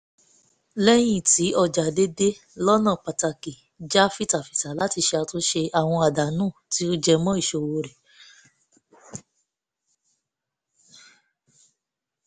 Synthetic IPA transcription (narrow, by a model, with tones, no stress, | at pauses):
lɛ˦j̃ĩ˦˨ti˨˦ɔ˧d͡ʒa˨de˦de˦ | lɔ˦nã˦˨k͡pa˨ta˧ki˨ | d͡ʒa˦fi˦ta˨fi˨ta˨la˦ti˧ʃe˧a˧to˦ʃe˧ʔa˨w̃ɔ̃˧a˨da˨nũː˦˨ti˨˦o˦d͡ʒɛ˧mɔ̃˦i˦˨ʃo˧˨wo˧ɾe˨